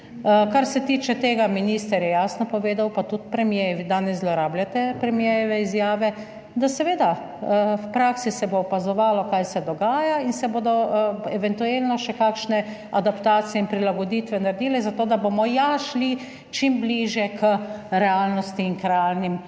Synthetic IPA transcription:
kaɾsɛt̪iːt͡ʃɛt̪eːɡaminist̪ɛɾjɛjaːsnɔpɔʋeːd̪awpat̪ut̪pɾɛmjejɛʋid̪aːnɛzzlɔɾaːblʲjat̪ɛpɾɛmjejɛʋɛizjaːʋɛ | d̪asɛʋeːd̪a | wpɾaːksisɛboːpazɔʋaːlɔkajsɛd̪ɔɡaːjainsɛboːd̪ɔɛʋɛnt̪uelnɔʃɛkaːkʃnɛ | ad̪apt̪aːt̪sijɛimpɾilaɡɔd̪it̪ʋɛnaɾed̪iːlɛzat̪oːd̪abomɔjaʃli | t͡ʃimbliːʒjɛkʰəɾɛalnɔst̪iːŋkɾɛaːlnim

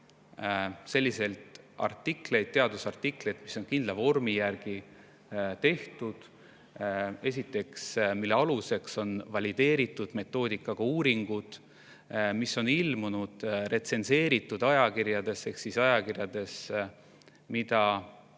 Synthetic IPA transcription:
se̞lʲːise̞lt̪ɑ̰rt̪ːˑikle̞jd̪̚t̪eɑd̪usɑrt̪iklejd̪̥mi̥so̞ŋkind̪lɑvo̞rmijærɡ̥i | t̪e̞ht̪ud̪̥ | e̞s̬ʲit̪ːˑe̞ksmilːe̞ɑluse̞kso̞nvɑlid̪e̞ːɾit̪ːˑud̪̥me̞t̪ːˑo̞ːd̪ikːˑɑɡ̥ɑuːɾiŋɡ̥ud̪̥ | misːo̞nilmunud̪̥re̞t̪se̞nse̞ːɾit̪ːˑud̪ɑjɑkiɾjɑd̪e̞se̞hksisɑjɑkirjɑd̪̥e̞s | mid̪ɑ

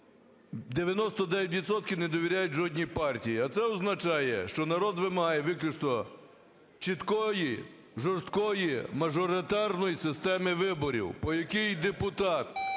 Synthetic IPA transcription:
d̪eʋʲjɐnɔst̪ɔd̪ɛʋʲɛt̬ʲʋʲid̪sɔt̪̚kʲɪwnɛd̪ɔʋʲiɾʲajʊt̚ʲʒɔdʲnʲipɑrtʲijiɐt̪sɛɔznɐt͡ʃɑjɛ̰ʃt͡ʃɔnɐɾɔd̪ʋɪmɐɦɑjɛʋɪklʲʊt͡ʃt̪ɔ | t͡ʃit̪kɔji | ʒɔrst̪kɔjimɐʒɔɾɪt̪ɑrnɔjisɪst̪ɛmɪʋɪbɔɾʲḭwpɔjɐkɪjd̪epʊt̪ɑt̪

